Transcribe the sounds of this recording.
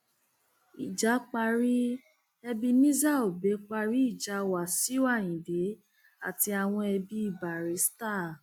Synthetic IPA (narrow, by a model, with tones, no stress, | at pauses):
i˨d͡ʒa˨˦k͡pa˧ɾi˦ | ɛ˧bi˧nĩ˦za˦˨o˨be˨˦k͡pa˧ɾi˦i˦˨d͡ʒa˨˧˦wa˨si˨˦wa˦˨j̃ĩ˨de˨˦ | a˦˨ti˧a˨w̃ɔ̃˧ɛ˧bi˧˦i˦˨ba˨ɾe˨˦sta˦˨